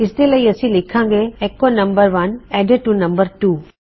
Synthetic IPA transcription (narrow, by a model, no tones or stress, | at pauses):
ɪst̪eləiɐsĩlɪkʰãːŋɡeːkːonɐ̃mbəɾʋɐnɛɖeʈːunɐ̃mbəɾʈuː